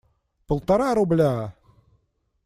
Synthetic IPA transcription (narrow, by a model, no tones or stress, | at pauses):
pŏlˠt̪ɑɾɑɾub̆lʲæ